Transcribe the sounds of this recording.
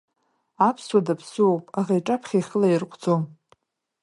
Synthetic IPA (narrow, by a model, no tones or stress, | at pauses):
apʰswadapʰsɨopʼaʁajʈ͡ʂʼapʰχʲaχʲəlairqʷʰʼd͡zo̞m